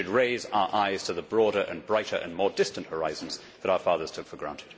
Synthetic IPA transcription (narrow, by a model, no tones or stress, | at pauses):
ɨd̚ɹeɪza̰ʊə˞ʔaɪz̥tʰəðəbɹɔɾə˞ʔɨ̰̃nbɹaɪɾə˞ʔɨ̰̃nmɔɹdɪstɨ̃nʔhə˞aɪz̃n̩z | ðəɾaʊə˞fɑðə˞z̥tʰʊkfəɡɹæ̰̃ntʰɨd̥